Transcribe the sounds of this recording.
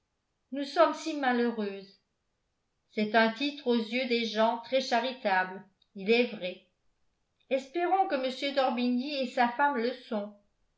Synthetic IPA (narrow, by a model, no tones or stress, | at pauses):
nusɔmsimaløʁøz | sɛt̪ɛ̃t̪it̪χozjød̪eʒɑ̃t̪χɛʃaʁit̪abl | ilɛvʁɛ | ɛspɛʁɔ̃kəməsjød̪ɔʁbiniesafamləsɔ̃